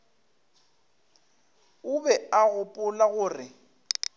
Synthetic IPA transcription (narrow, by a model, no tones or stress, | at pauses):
ʊbɛaɣʊpʼʊlaɣʊːrɪ